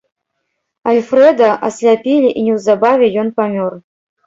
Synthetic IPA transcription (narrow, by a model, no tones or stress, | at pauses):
alʲfɾɛd̪ɐʔɐsʲlʲapʲilʲiʔinʲɛwzabavʲɛjɔnpamʲɔr